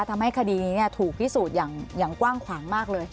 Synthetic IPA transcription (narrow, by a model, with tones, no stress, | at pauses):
t̪ʰa˧mha˥˩jkʰa˧diː˧niː˦˥ni˥˩ɐt̪ʰuː˨˩k̚t̪ʰiː˦˥˩suː˨˩t̪̚jaː˨˩ŋjaː˨˩ŋkwaː˥˩ŋkʰwaː˩˦ŋmaː˥˩k̚lɤː˧j